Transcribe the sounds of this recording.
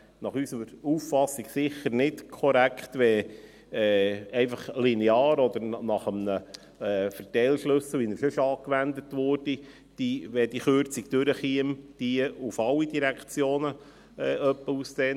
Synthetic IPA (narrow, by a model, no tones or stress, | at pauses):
nɑχysəɾuːffɑsiɡ̥sɪχəɾnɪtkʰɔɾækχt̪ʋɛ | ɛɪfɑχlinɛɑːɾɔd̪əɾnɑχəmnəː | fəɾtɛɪlʃlɵsl̩ʋinəɾsɵʃɑːkʋænd̪ətʋʊrd̥i | d̥iʋɛd̥iχøɾt͡sikd̥ʉɾəχiəmd̥iəufɑlːidiɾækt͡sjoːnə | ɛʔœpːəusseːn